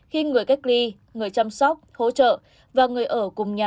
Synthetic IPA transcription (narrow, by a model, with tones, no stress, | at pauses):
xi˧ŋɨ˨˩əjka˦˥jk̟̚li˧ | ŋɨ˨˩əjt͡ɕa˧msɔ˦˥wk͡p̚ho̰˧˥t͡ɕə̰ː˧˨ | vaː˨˩ŋɨ˨˩əjʔəː˧˩kʊ˨˩ŋ͡mɲaː˨˩